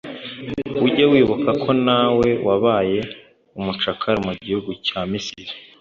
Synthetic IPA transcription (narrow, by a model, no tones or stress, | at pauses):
uɟawiːβokakʰo̞nawe̞wʔaβaːje̞ | umut͡ʃakʰaɾimuɟihuɡucaːmisiɾi̥